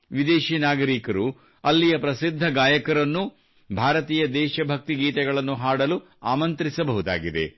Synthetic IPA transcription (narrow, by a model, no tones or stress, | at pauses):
ʋid̪eːʃiːnaːɡɐɾiːkɐɾu | ɐlːijɐpɾɐsid̪ʱːɐɡaːjɐkɐɾɐnːu | bʱaːɾɐt̪iːjɐd̪ɛːʃɐbʱɐk̚t̪iɡiːt̪ɛɡɐɭɐnːuɦaːɽɐlu | aːmɐnt̪ɾisɐbɐɦud̪a̰ːɡid̪ḛ